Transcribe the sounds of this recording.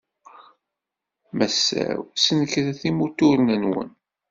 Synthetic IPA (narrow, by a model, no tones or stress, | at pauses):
mæsːæ̰wsənəkɾæθimut̪ʊɾənənwə̰n